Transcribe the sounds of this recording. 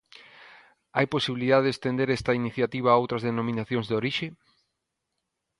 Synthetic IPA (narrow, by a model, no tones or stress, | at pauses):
ajposiβiliðaðeðest̪end̪eɾɛst̪ɐiniθjat̪iβ̞aowt̪ɾɐzðenomĩnaθjõŋzðoɾiʃe